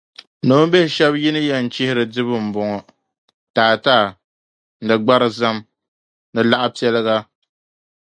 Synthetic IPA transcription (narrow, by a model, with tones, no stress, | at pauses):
no˦m˦be˦hɪ˦ʃɛ˦bji˦nɨ˦jɛ˦n̩˨t͡ʃɪ˦hɪ˦ɾɨ˨dɨ˦βɨ˨m̩˨bɔ˨ŋɔ˨ | taː˨taː˦˨ | dɨ˨ɡ͡ba˦ɾɨ˨za˦m | nɨ˨la˦ʔa˦pi˦ɛ˦lɨ˦ɣa˦